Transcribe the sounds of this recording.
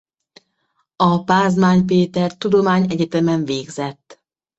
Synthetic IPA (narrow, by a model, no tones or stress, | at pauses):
ɒpaːzmaːɲpeːt̪ɛrt̪ud̪o̞maːɲɛɟɛt̪ɛmɛɱveːɡzɛt̪ː